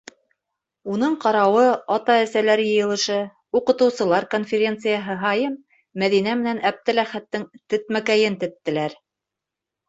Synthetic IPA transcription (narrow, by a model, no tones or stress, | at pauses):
unɤɴqɑɾɑwɤɑt̪ɑæsælæɾjɤ̆jɤ̆lˠɤ̆ʃɤ | uqɤ̆t̪ɤ̆wsɤ̆lˠɑɾkonfʲeɾʲe̞nt̪sɨjaɦɤɦɑjɤmː | æðinæmɘ̆nænæb̚t̪ɘlæχæt̪ːɘŋt̪ɵ̆t̪̚mækæjɘnt̪ɵ̆t̪ːɘ̆læɾ